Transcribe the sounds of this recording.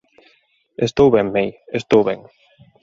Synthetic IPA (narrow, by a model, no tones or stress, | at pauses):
est̪owβɛmmejest̪owβɛŋ